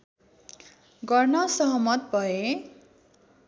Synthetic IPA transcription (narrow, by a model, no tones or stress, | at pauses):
ɡʌrnʌsʌɦʌmʌt̪̚bʱʌe